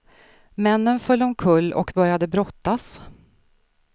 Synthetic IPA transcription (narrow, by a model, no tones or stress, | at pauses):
mɛnːənfœlːɔmkʰɵlːɔ̰kbœɾjad̪əbɾɔt̪ːas